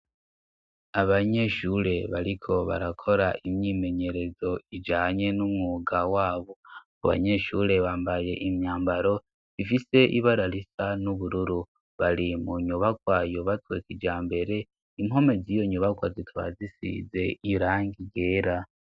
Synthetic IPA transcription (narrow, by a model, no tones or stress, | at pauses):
aβaɲe̞ʃuɾe̞βaɾikʰo̞βa̰ɾakʰo̞ɾaʔimɲiːme̞ɲe̞ɾe̞zo̞id͡ʒaːɲe̞numŋuɡawaːβo̞ | aβa̰ɲe̞ʃuɾe̞βaːmbaje̞ʔimɲaːmbaɾo̞ | ifise̞ʔiβaɾaɾisanuβuɾuɾu | βaɾimuɲuβakwajoβatweːkid͡ʒaːmbe̞ɾe̞ | imho̞me̞zijo̞ɲuβakwazitʰuβa̰zisḭze̞iɾaːŋɡiɡe̞ːɾa